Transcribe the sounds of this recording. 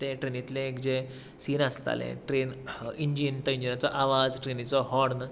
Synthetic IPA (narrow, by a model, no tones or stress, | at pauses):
t̪eʈɾenit̪lẽːkd͡ʑe | siːnəst̪a̰lḛ̃ʈɾeniɲd͡ʑint̪ɔiɲd͡ʑinat͡sɔʔaʋad͡zʈɾenit͡sɔɦɔɽnə